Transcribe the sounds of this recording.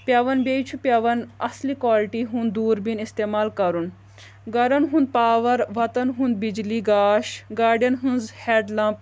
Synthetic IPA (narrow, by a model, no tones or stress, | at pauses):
pʲjaʋɐnbʲejt͡ʃʰupʲjɐʋɐnɐslikʋaːlʈiːɦũnd̪d̪uːɾbinist̪eːmaːlkɐɾun | ɡɐɾɐnɦũnd̪̚paːʋɐɾʋɐt̪ɐnɦũnd̪̚bid͡ʒliɡaːʃɡaːɾɖjɐnɦunzhɛːɖlãːmp̚